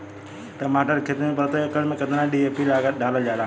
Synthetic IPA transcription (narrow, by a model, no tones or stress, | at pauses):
ʈɐmaːʈəɾkʰet̪npət̪okəlmẽkɐt̪nãːɗiːeːpilaːɡəɗaːləʄaːlaː